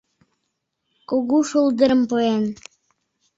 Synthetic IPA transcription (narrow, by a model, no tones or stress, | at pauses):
kuɣuʃulˠd̪ə̆ɾə̆mpoen